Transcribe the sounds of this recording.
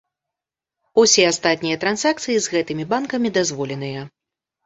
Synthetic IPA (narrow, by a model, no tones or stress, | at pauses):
usʲɛast̪at̪̚ʲnʲijɐt̪ɾanz̥akt̪sɨjizɣɛt̪ɨmʲibankɐmʲid̪azvɔlʲɛnɨjɐ